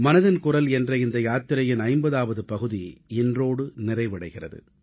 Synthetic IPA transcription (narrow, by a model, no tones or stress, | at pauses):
mɐnɐðɐnkʊrɐlɛndrɐɪnd̪ɐjaːt̪ːɪɾɐjɪnɐɪmbɐðaːʋɐðɯpɐɣɯðiɪndroːɽɯnɪrɐɪʋɐɽɐɪɣɪrɐ̰ðɯ̰